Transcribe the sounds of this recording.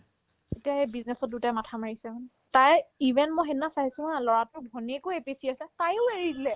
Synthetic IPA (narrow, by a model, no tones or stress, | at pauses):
etiaɛbiznɛsɔt̚dutamatʰamaɹisɛman | tajivʱɛntmɔxɛnːasaɦisumalɔɹatʊbʱɔnikʊepisiaslɛtajʊeɹidilɛ